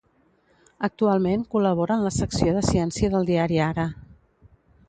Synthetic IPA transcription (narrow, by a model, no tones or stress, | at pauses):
ək̚t̪ualˠmeŋkuləβ̞ɔɾəːnləsəksioðəsiɛnsiəðəlˠd̪iaɾiaɾə